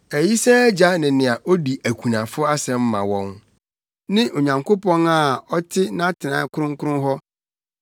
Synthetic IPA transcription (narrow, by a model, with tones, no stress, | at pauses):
æ˨ji˦sɛ˦d͡ʑa˦nɪ̃˨nɪ̃˨a˨ʔɔ˦di˨ʔæ˨kʷʰu˨nã˨fʊ˦a˦sɛ̃˨m̩˦mã̰˨wɔ̃˦n | nɪ̃˦ʔo˨ɲã˨ŋkʰo˦pɔ̃˦na˨ɔ˦tʰɪ˦nã˦tʰɪ˨nã̰ː˨˦kʰʊ˦ɾʊ̃˦ŋ˦kʰʊ˦ɾʊ̃˦nɦɔ˦